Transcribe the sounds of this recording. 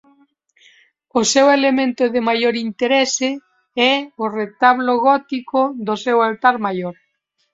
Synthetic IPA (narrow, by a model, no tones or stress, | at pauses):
ʊsewelemẽnt̪ʊðemajoɾint̪eɾɛse | ɛʊret̪aβloɣɔt̪ikoðosewalt̪aɾmajoɾ